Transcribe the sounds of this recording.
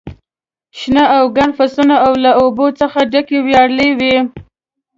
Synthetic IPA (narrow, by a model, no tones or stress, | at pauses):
ʃnaʔawɡaɳfasunaawlaobot͡səxaɖakewjɑɽlewi